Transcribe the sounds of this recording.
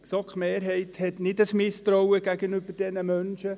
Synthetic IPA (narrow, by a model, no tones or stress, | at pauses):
sɔkχmeːrɦɛɪthɛtnɪdəsmɪstɾɔwəɡ̥æɡənyb̥əɾd̥ɛnəmœnʃə